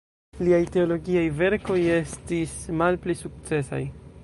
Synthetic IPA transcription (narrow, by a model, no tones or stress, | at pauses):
liajte̞o̞lo̞ɡiajve̞ɾko̞je̞stismalplisuk̚t͡se̞sa̰j